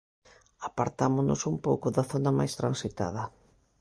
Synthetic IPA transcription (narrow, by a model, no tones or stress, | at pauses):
apaɾt̪amʊnʊ̰sumpowkʊðɐθonɐmajst̪ɾansit̪a̰ð̞ɐ